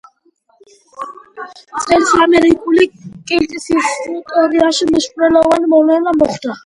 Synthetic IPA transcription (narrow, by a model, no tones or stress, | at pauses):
t͡sʼɛlsamɛɾikʼulikʼɛlt̪ʼisisut̪ʼɔɾiaʃimiʃpʼɾɛlɔvanmɔlɛlamɔχd̪a